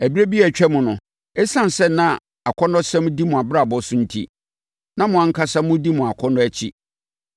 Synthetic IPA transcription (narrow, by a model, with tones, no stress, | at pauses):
æ˨bi˦ɾæ˦bi˦æ˨t͡ɕᶣɛ˦mʊ̃˨nʊ̃˨ | ɛ˦sã˦˨n˨sɛ˦nã˦ | a˨kʰɔ˦nɔ̃˦sɛ̃˦m̃˦di˦mʊ̃˨a˨bɾa˨bɔ˦sʊ̃˦n̩˦tʰḭ˦ | nã˦mʊ̃˨ã˦ŋ̩˦kʰa˦sa˦mʊ̃˦di˦mʊ̃˨a˨kʷʰɔ˦nʊ̃˦æ˦t͡ɕʰi˦